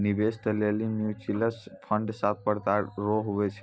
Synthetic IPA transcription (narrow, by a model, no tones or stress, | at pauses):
nibest̪əlelimjut͡ʃiləspʰəɳɖsat̪̚ʰpəɾt̪aɾoɦubɛt͡ʃʰ